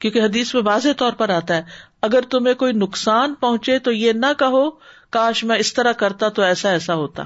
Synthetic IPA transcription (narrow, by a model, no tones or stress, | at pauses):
kjõːkeɦɐd̪iːsmẽʋaːzet̪ɔːɾpɐɾaːt̪aɦɛː | ɐɡəɾt̪ʊmẽkoːinʊksaːnpɐɦʊ̃t͡ʃet̪ojenɐkɐɦokaːʃmɛ̃ɪst̪ɐɾakɐɾt̪at̪oɛːsaɛːsaɦoːt̪a̰ː